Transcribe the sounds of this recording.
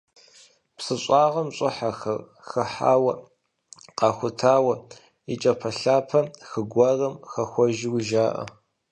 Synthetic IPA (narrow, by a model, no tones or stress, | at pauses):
psɨɕʷʼɑːʁɐmɕʷʼɨħaxɐr | xɨħa̰ːwɐ | qɑːxʷʊtʰaːwɐ | it͡ʃʼɐpʰɐɬaːpʰɐxɨɡʷɐrɐmxɐxʷɔʒɪwʒaːʔɐ̰